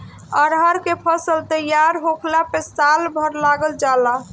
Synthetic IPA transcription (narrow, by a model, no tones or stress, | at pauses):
əɾɦəɾkepʰəsəlt̪əjaɾɦokʰlapesalbʱəɾlaɡəld͡ʒala